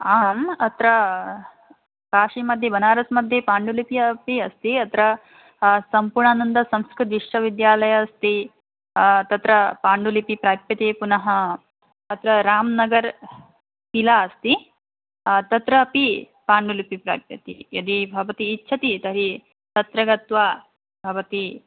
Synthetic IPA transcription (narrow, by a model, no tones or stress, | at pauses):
aːmɐt̪ɾɐ | kaːʂimɐd̪ʱjɐbɐnaːɾɐsmɐd̪ʱjepaːɳɖulipijɐpiɐst̪iɐt̪ɾɐ | sɐmpuɾɳaːnɐnd̪ɐsɐ̃mskɾɪt̪d̪iʂʈɐʋid̪jaːlɐjɐɐst̪i | t̪ɐt̪ɾɐpaːɳɖulipipɾaːpjɐt̪eːpunɐɦɐ | ɐt̪ɾɐɾaːmnɐɡɐɾ | pilaːɐst̪i | t̪ɐt̪ɾɐːpi | paːɳɖulipipɾa̰ːpjɐt̪ḭjɐd̪ibʱɐʋɐt̪iːtːʃʰɐt̪it̪ɐɾi | t̪ɐt̪ɾɐɡɐt̪ʋaː | bʱɐʋɐt̪i